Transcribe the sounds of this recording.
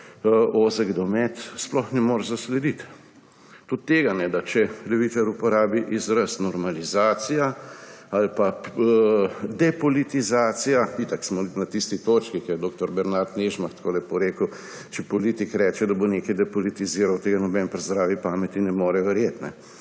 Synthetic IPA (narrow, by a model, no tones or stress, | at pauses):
oːzəɡd̪ɔmɛt̪splɔxnɛmoːɾzaslɛd̪it̪ | t̪ut̪tːeːɡanɛd̪at͡ʃɛlɛʋiːt̪ɛɾupɔɾaːbiʔizɾəst̪nɔɾmalizaːsijaalpa | d̪ɛpɔlit̪izaːt̪sijait̪aksmɔnat̪ist̪it̪ot͡ʃkikɛjɛd̪oːk̚t̪ɔɾbɛɾnaɾt̪neʒmaxt̪kʰoːlɛpɔɾeːkəw | t͡ʃɛpɔliːt̪ikɾɛːt͡ʃɛd̪ɐboneːkɐjd̪ɛpɔlit̪iziːɾawt̪eːɡanɔbɛnpɾɛzd̪ɾaːʋipaːmɛt̪inɛmoːɾɛʋɛɾjeːt̪nɛ̰